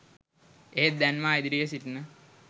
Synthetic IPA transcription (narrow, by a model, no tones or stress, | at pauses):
eɦet̪̚d̪ænʋaːid̪iɾijəsitnə